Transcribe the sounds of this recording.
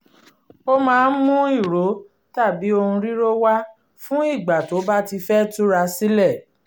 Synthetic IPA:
o˦mãː˦˧n̩˦mũ˦i˦˨ɾo˨˦ | ta˦˨bi˨˦o˧hũ˧ɾi˦ɾo˦wa˦ | fũ˦i˦˨ɡ͡ba˨to˨˦ba˦ti˧fɛ˦tu˦ɾa˧si˦lɛ˦˨

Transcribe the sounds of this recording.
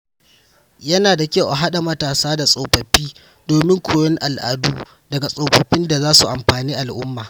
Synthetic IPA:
jɐ˦naː˨da˨kʲe˦wʔa˨ɦa˦ɗa˨mɐ˦taː˨saː˦da˨sʼoː˨ɸɐ˨ɸːiː˦ | doː˨mɪ˦ŋkʷʰoː˨jɔ˦ŋʔa˨lʔa̰˨duː˦ | dɐ˨ɡa˨sʼoː˨ɸɐ˨ɸɪ˦nda˨zaː˦su˨ʔa˨mɸaː˨niː˦ʔa˨lʔʊ˦mːaː˨

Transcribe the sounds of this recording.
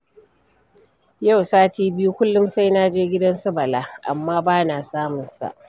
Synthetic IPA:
ja˦˨wsaː˦tiː˦bɪ˦ju˦kʷʊ˦lːʊ˦msa˦jnaː˦d͡ʒeː˦ɡʲɪ˦dɐ˦nsɐ˦bɐ˨laː˦ʔa̰˨mːaː˦baː˦naː˨saː˦mʊ˨nsa̰˨ʔ

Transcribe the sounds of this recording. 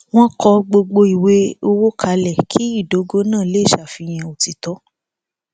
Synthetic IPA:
w̃ɔ̃˦kɔ˧ɡ͡bo˧ɡ͡bo˧i˨we˧˦o˧wo˦kʰa˧lɛ˨kʰi˨˦i˦˨do˨˦ɡo˦nãː˦˨le˦i˦˨ʃa˨fi˧j̃ɛ̃˧o˨ti˧tɔ˨˦

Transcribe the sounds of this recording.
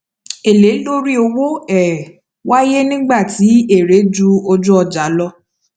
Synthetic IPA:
e˨le˨˦lo˦ɾi˦o˧wo˦ɛ˦˨ | wa˦je˦nĩ˦ɡ͡ba˦˨ti˨˦e˦˨ɾe˨˦d͡ʒu˦o˧d͡ʒũ˦ɔ˧d͡ʒa˨˦lɔ˧

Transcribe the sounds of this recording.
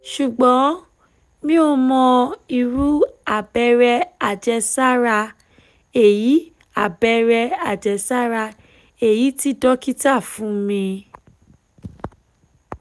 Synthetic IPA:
ʃu˨ɡ͡bɔ̃˨˦ | mĩ˦o˧mɔ̃˧i˧ɾu˦a˨bɛ˧ɾɛ˧a˨d͡ʒɛ˧sa˦ɾa˧ | e˨ji˨˦ | a˦˨bɛ˧ɾɛ˧a˨d͡ʒɛ˨˧sa˦ɾa˧ | e˨ji˨˦ti˦dɔ˦ki˦ta˦˨fũ˨˦mĩ˧

